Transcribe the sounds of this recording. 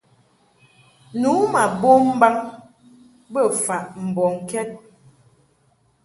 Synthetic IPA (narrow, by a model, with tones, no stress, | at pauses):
nu˨˦ma˨bo˦m̩˦ba˦ŋ | bə˦˨fa˨ʔm̩˨bɔ˨ŋ˨kɛ˦t̚